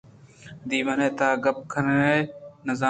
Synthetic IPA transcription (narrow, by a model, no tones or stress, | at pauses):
d̪iːʋəneːt̪aːɡəp̚kʰənːeːnəzaː